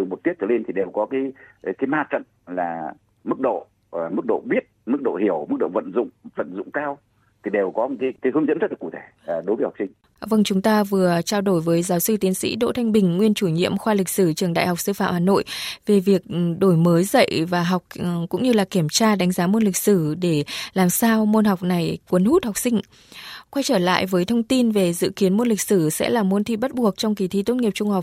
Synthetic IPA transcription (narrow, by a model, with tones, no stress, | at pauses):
ɨ˨˩m˨˩t̪̚ət͡ɕʰə̰˧˩le˧nt̪ʰi˨˩ɗe˨˩wkɔ˨˦kaː˨˦jkaː˨˦jmaː˧t͡ɕə̰˧˨n | laː˨˩ | mɨ˦˥k̚ɗo̰˧˨˩ | mɨ˦˥k̚ɗo̰˧˨ɓi˦˥ət̚mɨ˦˥k̚ɗo̰˧˨hi˧˩əwmɨ˦˥k̚ɗo̰˧˨və̰˧˨nzʊ̰˧˨ŋ͡mvə̰˧˨nzʊ̰˧˨ŋ͡mkaː˧w | t̪ʰi˨˩ɗe˨˩wkɔ˨˦˧kaː˨˦kaː˨˦hə˧nzə̰˧˥nzə˦˥la˨˩ku˧˩t̪ʰe˧˩˨ɗo˨˦jvəː˨˦hk͡p̚si˧ŋ̟ | və˧ŋt͡ɕʊ˨˦ŋ͡mt̪aː˧vɨ˨˩ət͡ɕaː˧wɗo˧˩jvəː˨˦jzaː˨˦wsɨ˧t̪i˨˦ənsḭ˧˥ɗo̰˧˨t̪ʰa˧jŋ̟ɓï˨˩ŋ̟ŋwi˧ənt͡ɕu˧˩ɲḭ˧˨əmxwaː˧lï˨˩k̚sɨ˧˩t͡ɕɨ˨˩əŋɗa̰ː˧˨jhk͡p̚sɨ˧fa̰ː˧˨mhaː˨˩no̰˧˨jve˨˩vi˨˩ək̚ɗo˧˩jməː˨˦jzə̰˧˨jvaː˨˩ɦɔ˨˩wk͡p̚kʊ̰˧˥ŋ͡mɲɨ˧laː˨˩ki˧˩əmt͡ɕaː˧ɗa˨˦ŋ̟zaː˨˦mo˧nlï˨˩k̟̚sɨ˧˩ɗe˧˩laː˨˩msaː˧wmo˧nɦa˨˩wk͡p̚na˨˩jkwə˨˦nhu˦˥t̚ha˨˩wk͡p̚sï˧ŋ̟ | kwa˧jt͡ɕəː˧˩la̰ː˧˨jvəː˨˦jt̪ʰə˧wŋ͡mt̪i˧nve˨˩zɨ̰˧˨ki˨˦ənmo˧nlï˨˩k̟̚sɨ˧˩sɛ̰˧˥laː˨˩mo˨˧nt̪ʰḭ˧˨˩ɓə˦˥t̚ɓu˨˩ək̚t͡ɕɔ˧wŋ͡mki˨˩t̪ʰḭ˧˨t̪o˦˥t̚ŋi˨˩əp̚t͡ɕʊ˧ŋ͡mha˨˩wk͡p̚